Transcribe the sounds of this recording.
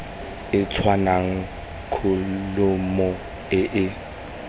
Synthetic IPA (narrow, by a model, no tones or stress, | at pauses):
ɪt͡sʰwanaŋ̩ | kʰʊlʊmɔ | ɪʔɪ